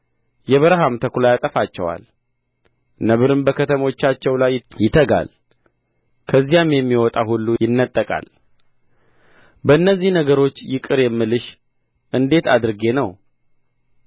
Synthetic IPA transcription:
jɛβəɾɦamt̪ʰəklajat̪ʼəfat͡ʃːɛ̰wa̰l | nəβɨɾɨmbəkʰət̪ʰəmo̞t͡ʃːat͡ʃːɛwlajjɪt̪ʰəɡa̰l | kʰəzːijamjɛmːiwɔt̪ʼaɦulːujɪnːət̪ʼːəkʼa̰l | bəɨnːəzːihnəɡəɾo̞t͡ʃːjɪkʼɨɾjɛmːɨlɨʃ | ʔɨnd̪e̞t̪ʰad̪ɾɨɡe̞nəw

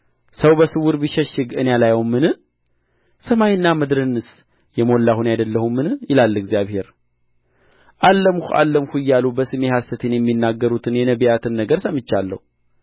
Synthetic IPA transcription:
səwbəsɨwʊɾbiʃɛʃːɪɡɨnejalajowmɨnɨ | səmajɨnːaməd̪ɾɨnːɨs | jɛmo̞lːahunjad̪əlːəhumːɨnɨjɪlalːɨɡzjaβhe̞ɾ | ʔalːəmhuʔa̰lːəmhujːalubəsɨme̞hasət̪ʰenjɛmːinːaɡːəɾut̪ʰɨnjɛnəβijat̪ʰɨnːəɡəɾsəmɨt͡ʃːalːə̰hu

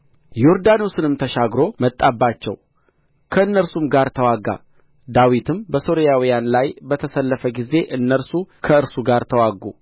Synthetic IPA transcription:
joɾd̪anosɨnɨmt̪ʰəʃaɡɾo̞mət̪ʼːabːat͡ʃːɛ̰w | kʰəɨnːəɾsumɡaɾt̪ʰəwaɡa̰ | d̪awit̪ʰɨmbəso̞ɾijawijanlajbət̪ʰəsəlːəfəɡize̞ʔɨnːəɾsukʰəɨɾsuɡaɾt̪ʰəwaɡṵ

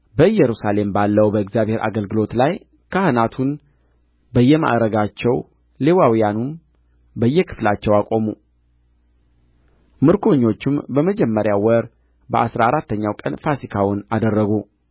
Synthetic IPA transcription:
bəɨjːɛɾusale̞mbalːəwbəɪkzjaβhe̞ɾʔa̰ɡəlɡɨlo̞t̪laj | kʰahɨnat̪ʰun | bəjːɛma̰ʔɾəɡat͡ʃːɛw | lewawijanun | bəjːɛkʰɨ̥flat͡ʃːɛwakʼo̞mu | mɨɾkʰo̞ɲːo̞t͡ʃːɪmbəməd͡ʒɛmːəɾjawəɾ | bəʔasɾaaɾat̪ːəɲːawkʼənfasikʰawʊnad̪ərːəɡu

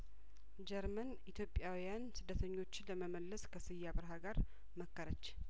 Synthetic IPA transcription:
d͡ʒɛɾmənʔit̪ʰjo̞pʼːjawijansɨd̪ːət̪ʰəɲːo̞t͡ʃːɪləməməlːəskʰəsɨjːaβɨɾɦaɡaɾ | məkʰːəɾət͡ʃː

